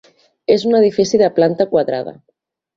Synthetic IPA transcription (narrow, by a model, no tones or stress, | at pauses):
ezuneðifisiðəplant̪akwaðɾa̰ðɐ̰